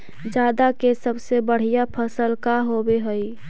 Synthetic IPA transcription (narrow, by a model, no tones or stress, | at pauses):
d͡ʒjaːd̪akesəbsebəɽ̤ijapʰəsəlkaɦobeɦəi